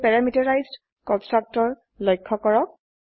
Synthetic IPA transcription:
pɛɹamitɔɹajzd | kɔ̃ntɹak̚tɔɹ | lɔjkʰːɔkɔɹɔk̚

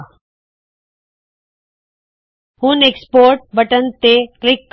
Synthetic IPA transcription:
hũnekspoːɾʈ̚bəʈənt̪eklɪkː

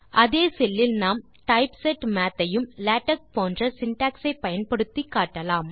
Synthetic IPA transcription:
ʔɐðeːsɛlːɪlnaːm | ʈɐɪpsɛʈmaːt̪ːɐjɯmlaːʈːɐk̚poːndrɐsɪnʈaːksɐɪpɐjɐnpɐɽɯt̪ːikːaːʈːɐlaːm

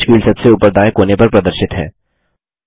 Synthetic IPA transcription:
ʃkiːlsɐbseuːpəɾd̪aːẽkoːnepɐɾpɾɐd̪əɾʃɪt̪ɦɛ̰ː

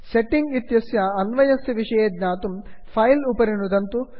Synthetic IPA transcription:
seʈːiŋɡit̪jɐsjɐɐnʋɐjɐsɐʋiʂɐjeːd̪naːt̪umpʰɐjlupɐɾinud̪ɐnt̪u

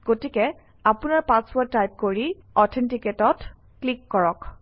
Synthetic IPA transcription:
ɡ̥otikɛ | apunaɹpãswatajp̚koɹiɔtʰɛntiketɔt | klikːɔɹɔk

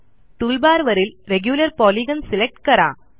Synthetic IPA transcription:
ʈuːlbaːɾʋɐɾɪlɾɛɡjuːlɐɾpoːliɣɐnsɪlɛk̚ʈkɐɾa̰ː

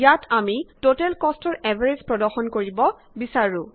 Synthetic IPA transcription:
jatʰamitotɛlkɔstɔɹɛbʱaɹed͡ʑpɹɔdɔɹxɔnkoɹibɔ | bisaɹʊ̃

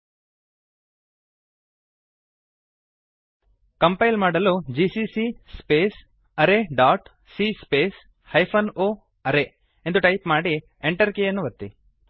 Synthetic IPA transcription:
kɐmpɐjlmaːɽɐlud͡ʒisisispeːs | ɐɾeɖaːʈ | siːspeːs | hɐjpʰɐnoː | ɐɾe | end̪uʈɐjpmaːɽi | eɳʈɐɾkejɐnːuʋɐt̪ːḭ

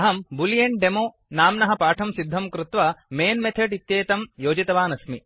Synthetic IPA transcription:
ɦɐmbuljɐɳʈɖemoː | naːmnɐɦɐpaːʈʰɐmsid̪ʱːɐmkɾut̪ʋɐmeːnmet̪ʰeʈit̪jeːt̪ɐmjoːd͡ʒit̪ɐʋaːnɐsmi

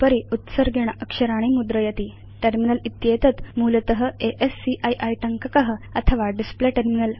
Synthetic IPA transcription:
pəɾiut̪səɾɡʱeɽ̃əkʂəɾaɽ̃imud̪ɾəjət̪iː | ʈeɾminəlit̪jet̪ət̪muːlət̪əɦəeʔesːiʔajʔajʈəŋkəkəɦəət̪ʰəʋaɖispleʈeɾminəl

